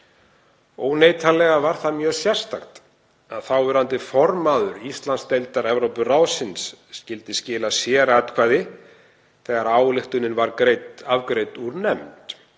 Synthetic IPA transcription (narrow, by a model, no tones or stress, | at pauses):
oːwneːjt̪ʰalːɛɣavaɾ̥θaðmjœːsjɛr̥st̪axt̪ | aðθawɛɾant̪ɪfɔɾmaːðʏɾist̪lanst̪ejlt̪aɾɛvɾowpʏraːwsɪnsːcɪlt̪ɪscɪːlasjɛːɾat̪kʰvaːjðɪ | θɛɣaɾaːwlɪxt̪ʏnɪnvaɾkɾejt̪avkɾejt̪uɾnɛmt̪